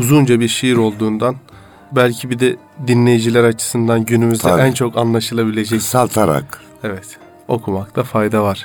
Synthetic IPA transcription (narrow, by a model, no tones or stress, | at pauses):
uzund͡ʒabiɾʃijiɾo̞lˠd̪uːnd̪an | bælʲcʰibid̪ɛ | d̪inlʲe̞jid͡ʒilʲæɾat͡ʃʰɯ̥sɯnd̪anɟynymyzd̪ɛænt͡ʃʰo̞kʰanlˠaʃɯlˠabilʲe̞d͡ʒɛcsalˠt̪ʰaɾa̰k | evɛt̪ | o̞kʰumak̚t̪ʰafajd̪avaɾ̥